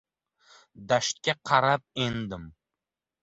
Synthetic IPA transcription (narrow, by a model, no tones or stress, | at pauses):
d̪aʃt̪̚kʲaqʰɑɾap̚e̞nd̪ɪm